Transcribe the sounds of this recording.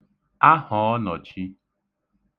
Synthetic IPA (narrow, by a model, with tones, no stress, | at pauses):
a˦hɔ˨ɔ˦nɔ˨t͡ʃi˦